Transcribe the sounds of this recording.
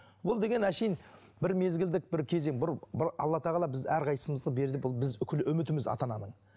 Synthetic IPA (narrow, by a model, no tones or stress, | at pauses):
woʊlˠd̪e̞ɡʲe̞næʃejn | bɪɾme̞zɡʲɪld̪ɪk̚bɪɾkʲʰe̞ze̞ŋbʊɾbɾʔɑ̰lˠːɑt̪ʰɑʁɑlˠɑbɪzæɾqʰɑj̪səməzd̪əbe̞ɾd̪ɪbolˠbɪzʏkʲʰɪlɪʔʏmɪt̪ɪmɪzɑ̰t̪ɑnɑnəɴ